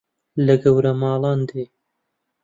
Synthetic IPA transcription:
lɐɡɐwɾɐmɑːlˠɑːnd̪eː

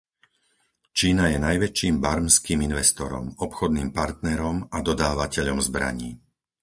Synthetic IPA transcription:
t͡ʃiːnajɛnajʋɛt͡ʃiːmbaɾmskiːminʋɛst̪ɔɾɔ̰mɔpxɔd̪niːmpaɾt̪nɛɾɔmad̪ɔd̪aːʋacɛʎɔmzbɾa̰ɲiː

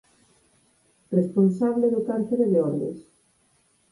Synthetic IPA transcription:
responsaβleðʊkaɾθeɾeðeɔɾðḛs

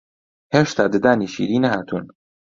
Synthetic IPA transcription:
heːʃt̪ʰaːd̪ɪd̪aːniːʃḭːɾiːnɐɦaːt̪ʰun

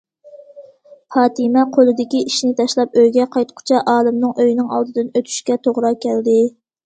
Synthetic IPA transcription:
fɑːt̪ɨmɛqʰolˠɨd̪ɪkʲiʔiʃnɪt̪ʰɑʃlˠɑp̚øjɡʲɛqʰɑjt̪qʰʊ̥t͡ʃʰɑʔɑːlˠɨmnɨŋʔøjnɪŋɑ̰lˠd̪ɨd̪ɨnøt̪ʰy̥ʃkʲɛt̪ʰoʁɾɑkʲʰɛld̪ɪ

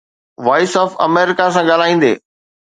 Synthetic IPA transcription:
ʋɔːɪsɔːfɐ̰meːɾɪkasãɠaːl̤aːĩːn̆d̪ḛː

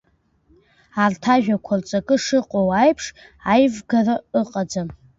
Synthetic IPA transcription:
artʰaʒᶣakʷʰart͡sʼakʼɨʂɨqʼowajpʰʂ | ajvɡaraɨqʼad͡zam

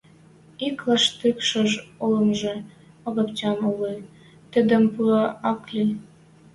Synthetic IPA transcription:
iklɑʃt̪ykʃɤ̆ʒolɤ̆nʒĕ | ɤ̆ɣɤ̆pt͡ɕɑnuli | t̪ə̆d̪ə̆mpuɑɑklʲi

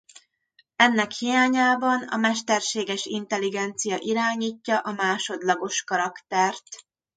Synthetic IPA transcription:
ɛnːɛkhijaːɲaːbɒnɒ̰mɛʃt̪ɛrʃeːɡɛʃint̪ɛliɡɛnt̪sijɒʔiɾaːɲiːcːɒʔɒmaːʃo̞d̪lɒɡo̞ʃkɒɾɒkt̪ɛrt̪

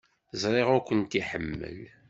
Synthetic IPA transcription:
zˤɾˤeʁʊɾkʷənt̪iħəmːə̰l

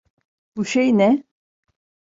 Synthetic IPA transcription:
buʃejnɛ

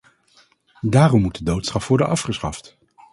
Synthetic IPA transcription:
daːrɔmːut̚dədowtsɑfʋɔɹdənʔɑfχəsχɑft

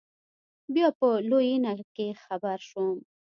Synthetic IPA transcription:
bjɑpəlojinakexabaɾʃum

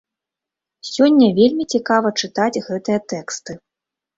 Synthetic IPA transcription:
sʲɔnʲːɐvʲelʲmʲit͡sʲikavɐt͡ʂɨt̪ad͡zʲɣɛt̪ɨjɐt̪ɛkst̪ɨ

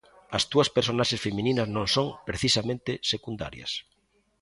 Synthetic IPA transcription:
ɐst̪uɐspeɾsonaʃesfemĩninɐznõŋsõŋpɾeθisamẽnt̪ɪsekund̪a̰ɾjɐ̰s

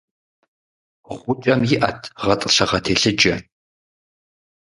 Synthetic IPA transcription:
ʁʷʊt͡ʃʼɐmjɪʔɐtʰʁɐtʼɨɕɐʁɐtʰeːɬɨd͡ʒʼɐ

